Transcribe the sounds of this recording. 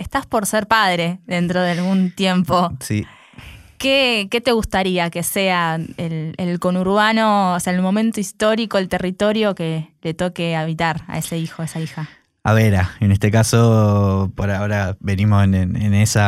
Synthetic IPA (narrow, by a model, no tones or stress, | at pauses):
est̪aspo̞ɾseɾpað̞ɾe̞ðe̞nt̪ɾoð̞ealɣunt̪je̞mpo̞si | keke̞t̪e̞ɣust̪aɾiake̞seaelelko̞nuɾβano̞ːsealmo̞mẽnt̪oist̪o̞ɾiko̞elt̪erit̪o̞ɾjo̞ke̞le̞t̪o̞keaβit̪aɾa̰e̞se̞ixoaesaixa | a̰βeɾaenest̪ekasopoɾaoɾaβenimosenḛnesa